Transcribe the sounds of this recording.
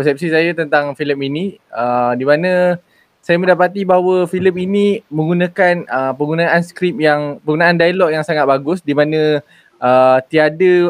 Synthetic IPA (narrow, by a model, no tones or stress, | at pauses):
pəs̬ɛp̚sisajat̪ənt̪aŋfiləminĩədimãnə̃ | sajamə̃ndapat̪̬ibaɦawəfiləminimə̃ŋɡunãkanəpəɡunaʔanskɾip̚jaŋpəɡunaʔːndajlɔk̚jaŋsaŋat̪̚baɡʊsdimãnə̃ | ʔət̪iadə